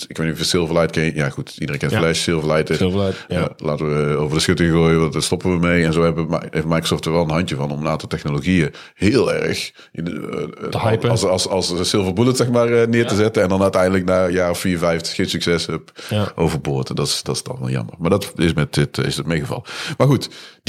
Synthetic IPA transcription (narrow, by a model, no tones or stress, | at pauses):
ɪkʋetnyvəsɪlˠvəlɛjtkɛjaxutidəɾẽnŋkɛntflɛʃsɪlˠvəlɛjtəa̰laːtəʋəowvərdəsxʏtəɣoːjəʋɑtdətstɔpəʋəmejɛnzoːɦɛbəmefmajkrosɔːftəɹʋɛlˠənɦɑntəvɑnɔmənaːntɑlˠtɛxnoloɣijə | hɪːlˠɛ̰ɹəx | ɪn | slˠsɑlˠssɪlˠvəlbulətsɛxmaːrənɪːɹtəzɛtəɛndɑnœtɛjndələknaːjaːrɔffiːɹvɛjftəxːeːnsyksɛsəpʔowvəɹbʊːɹtndɑtsdɑtsd̥ɑ̰nʋɛ̰lˠjɑ̰mə̰rmaːɹdɑtɪsmɛtɪtɪ̰sdətmejɣəvɑ̰lˠəmaːɹɣutd